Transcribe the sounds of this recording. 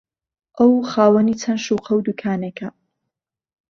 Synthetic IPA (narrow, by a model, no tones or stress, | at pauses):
ʔɐwxaːwɐniːt͡sʰɐnʃuːqʰɐwd̪ukʰaːnekʰɐ